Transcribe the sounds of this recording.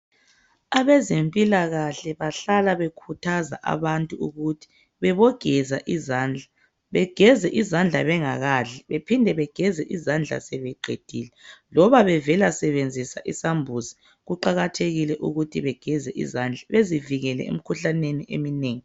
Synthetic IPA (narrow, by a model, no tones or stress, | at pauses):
aβɛzempʼilaɣaɬɛβaɬalaβekʰutʰaza̰ʔa̰βantʼuuɣutʰi̥ | βɛβɔɡ̥ʱɛzaʔizand͡ɮʱa | βɛɡ̥ʱɛzɛʔizand͡ɮʱaβɛŋaɣaɮɛβepʰindʱɛβɛɡ̥ʱɛzɛʔizand͡ɮʱa̰sɛβɛɡ͡ǃʱḛd̥ʱiːlɛlɔβaβɛvɛlasɛβend͡zʱisaʔisambʱuzi | ɣuǃaɣatʰeɣilɛʔuɣutʰiβɛɡ̥ʱɛzɛʔḭzand͡ɮʱaβeziviɣɛlɛ̰ḛm̩kʰuɬaneniʔḛmineːŋi